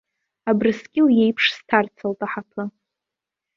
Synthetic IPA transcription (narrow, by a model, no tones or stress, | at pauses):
abrɨsɡʲʼɪwije̞jpʰʂstʰart͡sʰɨltʼaħapʰɨ